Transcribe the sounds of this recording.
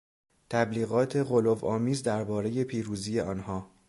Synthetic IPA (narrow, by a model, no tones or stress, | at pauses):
t̪ʰæbliːɣɒːt̪ʰe̞ɣolovɒːmiːzd̪æɾbɒːɾe̞je̞pʰiːɾuːziːje̞ʔɒːnhɒː